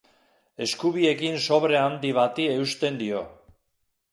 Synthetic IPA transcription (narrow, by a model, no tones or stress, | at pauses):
e̞skuβie̞kinso̞βɾe̞and̪iβ̞at̪ie̞ust̪e̞nd̪io̞